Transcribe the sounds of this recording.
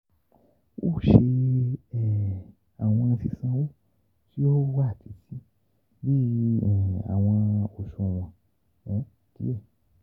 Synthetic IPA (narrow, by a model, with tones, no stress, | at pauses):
wo̰˦˨˦ʃe˧ɛ˨ | a˨w̃ɔ̃˧n̩˧si˧sã˧wo˦ | ti˦o˦wa˦˨tʰi˨˦ti˦ | bi˦ɛ˨a̰˨w̃ɔ̃˧o˨ʃo˧˨w̃ɔ̃˨ | ɔ̃˨˦˨tḭ˨˦e˦˨